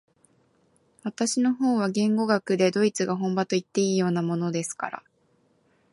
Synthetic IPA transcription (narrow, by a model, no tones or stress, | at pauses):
βat̪aɕino̞ɦo̞ːβ̞aɡẽ̞ŋɡo̞ɡakɯ̟d̪e̞d̪o̞it͡sɨɡaɦõ̞mbat̪o̞it̪ːe̞iːjo̞ːnamo̞no̞d̪e̞sɨ̥ka̰ɾa̰